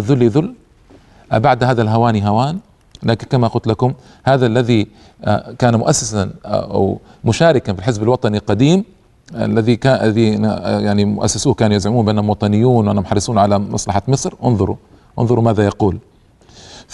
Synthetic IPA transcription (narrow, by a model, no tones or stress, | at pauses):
aðʊlːjaðʊlː | ʔabaʕd̪haːðalɦawaːniɦawaːn | laːkɪnkamaqʊlt̪lakʊm | haːðalːaði | kaːnumʊʔasːasan̰ʔa̰w | mʊʃaːɾɪkanfilħɪsbalwɑt̪ˤɑnilqɑd̪iːm | a̰lːaðikaʔijaʕnimʊʔa̰sːasuːhkaːnujazʕɪmuːnbɪʔanːhʊmwɑt̪ˤɑnɪjːuːnwʔanːamħɑɾˤːɪsuːnʕalamɑ̰sˤlɑħamɨsˤɾʔʊnðˤʊɾṵ | ʔʊ̰nðˤʊɾumaːðajɑquːl